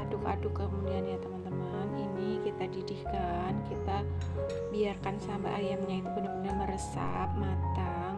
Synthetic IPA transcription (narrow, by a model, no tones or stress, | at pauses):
adʊka̰dʊkːəmudianjat̪əmant̪əməninikit̪adidihkankit̪a | biarkansamba̰ʔajamɲait̪ubəndamədaməɾəsa̰p̚mat̪a | ŋ